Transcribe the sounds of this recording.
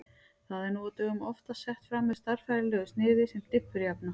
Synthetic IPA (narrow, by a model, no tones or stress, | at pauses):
θaðɛɾnuɔt̪ʏɣʏmɔft̪ḁsɛht̪fɾaːmːɛðst̪aɾ̥fajɾɪlœːɣʏst̪nɪːðɪsɛmt̪ɪpːʏɾjapna